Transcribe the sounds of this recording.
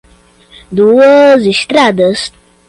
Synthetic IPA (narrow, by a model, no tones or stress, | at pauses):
d̪uʋəzist̪ɾad̪əst̪